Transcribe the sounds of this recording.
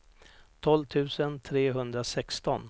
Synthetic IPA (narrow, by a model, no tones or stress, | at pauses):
t̪ʰɔlvt̪ʰʉ̟ːsənt̪ʰɾeːɦɵnd̪ɾasɛkst̪ɔ̰n